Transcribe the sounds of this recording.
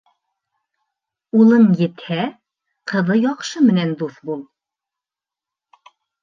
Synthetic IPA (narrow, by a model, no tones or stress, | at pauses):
ulˠɤnjɘ̆t̪hæ | qɤ̆ðɤjɒqʃɤmɘ̆nænd̪uθbulˠ